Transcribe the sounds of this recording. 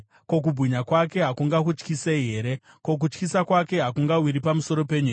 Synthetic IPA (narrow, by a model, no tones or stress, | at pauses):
ko̞k̬ubʱwiɲakwake̞ɦakuŋɡakut͡ʃkiseiɦe̞ɾe̞ | ko̞k̬ut͡ʃkisakwake̞ɦakuŋɡawiɾipamuso̞ɾo̞pe̞ɲuː